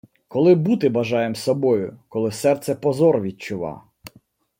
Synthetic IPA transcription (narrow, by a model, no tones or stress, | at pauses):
kɔlˠɪbut̪ɪbɐʒɑjemsɔbɔjʊkɔlˠɪsɛrt̪sɛpɔzɔrʋʲid̚t͡ʃʊʋɑ̰